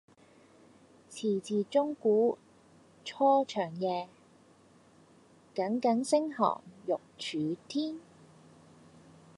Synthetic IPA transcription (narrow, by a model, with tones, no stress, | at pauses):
t͡sʰiː˨˩t͡siː˨t͡sʊ˥ŋkuː˨˥ | t͡ʃʰɔː˥t͡ʃʰœː˨˩ŋjɛː˨˧ | kɐ˨˥ŋkɐ˨˥ŋsɪ˥ŋhɔ̰ː˨˩ŋjʊ˨k̚t͡ʃʰyː˨˧˥t̪ʰiː˥n